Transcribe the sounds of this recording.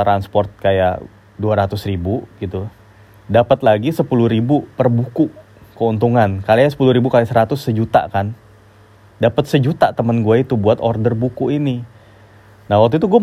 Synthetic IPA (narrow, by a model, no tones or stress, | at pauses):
ɾanspɔrt̪̚kaja̰ʔ | duaɾat̪ʊsribuɡit̪u | dapət̪laɡisəpuluhɾibupərbuku | kəunt̪uŋankalajasə̥puluɾibukalisəɾat̪ʊsːəd͡ʒut̪a̰kan | dapət̪̚səd͡ʒut̪at̪əmənɡuait̪ubuat̪ɔrdərbukuʔini | nahwak̚t̪uit̪̬uɡua